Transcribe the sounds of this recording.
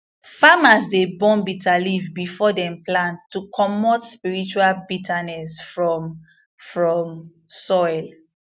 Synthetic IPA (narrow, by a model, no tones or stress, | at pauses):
famasdebɔ̃nbitʰalivbifɔdɛ̃mplãntːukʰɔmɔtspiɹit͡ʃualbitʰanɛsfɹɔm | fɹɔ̃m | sɔɪl